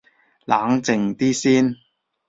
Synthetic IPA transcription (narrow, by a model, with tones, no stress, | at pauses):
laː˨˥ŋt͡sɪ˨ŋt̪iː˥siː˥n